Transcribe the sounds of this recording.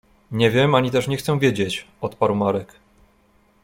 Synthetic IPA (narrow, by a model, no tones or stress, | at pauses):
ɲɛvʲjɛmaɲit̪ɛʂɲɛxt̪sɛw̃vʲjed͡ʑet͡ɕ | ɔt̪paɾwmaɾɛk